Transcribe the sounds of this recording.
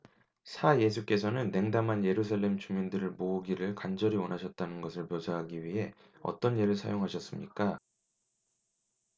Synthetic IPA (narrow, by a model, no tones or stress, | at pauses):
sʰaje̞sʰuk͈e̞s̬ʰʌnɯnːe̞ŋdamɦanje̞ɾusʰaɭːe̞mt͡ɕumindɯɾɯɭmouɡiɾɯɭkand͡ʑʌɾiwʌnaɕʰʌt̚t͈anɯnɡʌsʰɯɭpjosʰaɦaɡiɥiɦe̞ | ʌ̰t͈ʌneɾɯɭsʰa̰joŋɦaɕʰʌs͈ɯmɲik͈a